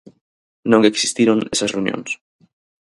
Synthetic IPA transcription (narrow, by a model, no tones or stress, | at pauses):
nõŋeksi̥st̪iɾonesasreunjõ̰ns